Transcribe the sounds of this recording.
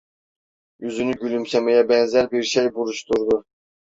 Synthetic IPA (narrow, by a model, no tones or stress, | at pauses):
yzynyɡʲylymsɛmɛjɛbɛnzæɾbiɾʃejbuɾuʃt̪ʰuɾd̪u